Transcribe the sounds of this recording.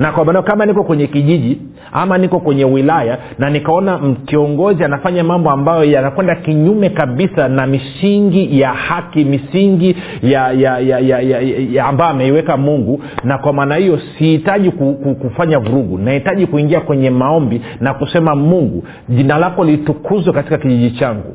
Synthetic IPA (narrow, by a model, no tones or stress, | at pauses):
nakwamanjɔkamanikɔkwɛɲɛkiʄiʄi | amanikɔkwɛɲɛwilaja | nanikaɔnam̩kiɔŋɡɔzianafaɲamambɔambajɔjanakwɛndakiɲumɛkaɓisanamisiŋɡijahakimisiŋɡi | jajajajajaːmbajɔamɛiwɛkamuŋɡu | nakwamaːnahijɔsihitaʄikukukufaɲavuɾuɡṵnahitaʄikuiŋɡiakwɛɲɛmaɔmbi | nakusɛmamuŋɡṵ | ʄinalakɔlitukʰuzwɛkatikakiʄiʄit͡ʃaŋɡṵ